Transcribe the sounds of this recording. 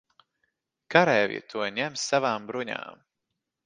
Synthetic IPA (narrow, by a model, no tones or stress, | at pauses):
kaɾɛːvḭt̪ʰuɔɲɛmsavaːmbɾuɲa̰ːm